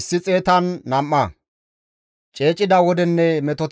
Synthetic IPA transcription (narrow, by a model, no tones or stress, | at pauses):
sːɪt͡sʼeːt̪ɐnːɐmːɐ | t͡ʃʼeːt͡ʃʼːɪd̪ɐwɔd̪ɛnːɛmɛt̪ɔt̪